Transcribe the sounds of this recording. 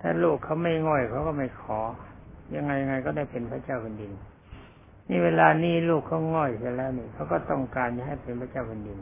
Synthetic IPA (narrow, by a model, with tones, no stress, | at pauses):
t̪ʰaː˧˥˩luː˥˩kʰːa˦˥wma˥˩jŋɔ˧˩jkʰa˦˥wkɔː˥˩ma˥˩jkʰɔː˩˦ja˧ŋːa˧jːa˧ŋa˧jkɔː˥˩daː˧˥˩jpe˨npʰa˧˥˩t͡ɕa˥˧˩wkʰo˧ndi˧n | miː˧˥˩weː˧laː˧niː˦˥˩luː˥˩kʰːa˧˥˩wŋɔ˧˩jsi˧˩lɛː˦˥˩wniː˧˩kʰa˦˥wkɔː˥˩t̪ɔ˥˩ŋkaː˧nt͡ɕa˧˩ɦa˥˩jpe˨npʰa˧˥˩t͡ɕa˥˩wkʰo˧ndi˧n